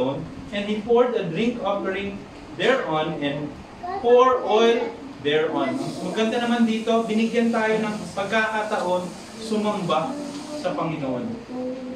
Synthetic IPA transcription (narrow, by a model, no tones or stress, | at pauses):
onʔɛ̃nd̪hipoɹd̪ɐd̪ɹɪŋkʔopɛɹɪ̃ŋ | d̪ɛɹʔonɛ̃nd̪ | poɹʔojl | d̪ɛɹʔɔ̃nmɐɡkɐnd̪ɐnɐmand̪iːt̪o̞bɪnɪɡjɐnt̪aːjo̞nɐŋpɐɡ̚kakat̪ɐʔo̞n | sʊmɐmbasɐpɐŋɪnoʔon